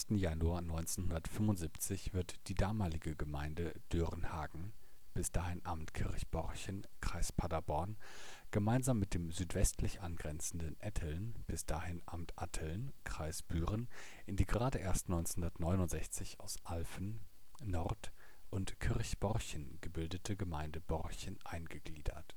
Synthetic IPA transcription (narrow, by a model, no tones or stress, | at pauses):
mstn̩januaːɐnɔʏnt͡senhʊndɐtfʏmʊntziːpt͡sɪçv̥ɪɐtd̥iːdaːmaːlɪɡəɡəmaɪndəd̥øʁənha̰ːɡŋ̩ | b̥ɪsd̥aːhɪnʔaːbm̩tkʰɪɐçb̥ɔʁçənkʁ̥aɪspʰadabɔɐn | ɡ̥əmaɪnzaːmːɪt̚d̥eːmzyːtv̥ɛstʰlɪçʔanɡʁɛnt͡sn̩dənʔɛtʰəlnb̥ɪsd̥aːhɪnʔaːmtʰʔatʰəlnkʁ̥aɪsb̥yːʁənʔɪndiːɡəʁaːdəʔeːɐstnɔʏnshʊndɐtnɔʏnʊntz̥ɛçt͡sɪçaʊsʔalfn̩ː | ɔʁt | ʔʊntkʰɪʁçb̥ɔʁçənɡ̥əbɪldətʰəɡəmaɪndəb̥ɔʁçənʔaɪnɡəɡ̥liːdɐ̰t